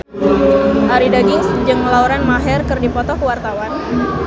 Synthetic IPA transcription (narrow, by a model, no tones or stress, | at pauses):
ʔaɾidaɡɪŋsd͡ʒɨŋlauɾanmaɦɛrkɨrdipɔt̪ɔkuwart̪awan